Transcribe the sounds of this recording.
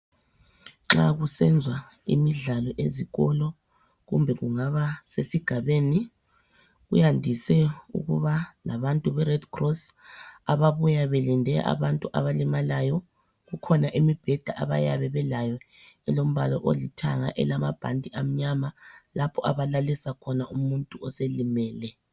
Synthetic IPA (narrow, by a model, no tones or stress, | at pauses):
ŋ͡ǁa̰ɣusɛnd͡zʱwa | ḭmiɮalɔʔeziɣɔlɔ | ɣṵmbʱɛɣuŋaβasesiɡ̥ʱaβeːni | ɣṵjandʱisɛṵɣṵβalaβantʼuβɛrɛdkʰrɔsaβaβujaβelindʱɛʔa̰βantʼuʔa̰βalimalajɔ | ɣukʰɔnaʔimib̥ʱɛd̥ʱaʔa̰βa̰jaβɛβɛlajɔɛlom̩βa̰lɔ̰ʔolitʰa̰ŋa̰ʔɛ̰lamab̥ʱa̰ndʱʼiʔam̩ɲamalapʰɔaβalalisakʰɔnaʔumuntʼuɔselimɛːlɛ